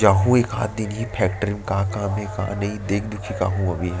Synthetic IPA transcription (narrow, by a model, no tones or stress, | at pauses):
d͡ʒaːɦũeːka̰ːt̪̚d̪ɪnɦĩpʰɛːkʈəɾɪmkãːkãːmɛ̃kã̰ːnɐɦĩd̪eːkʰd̪ʊkʰika̰ːɦũɐbʱiɦɛ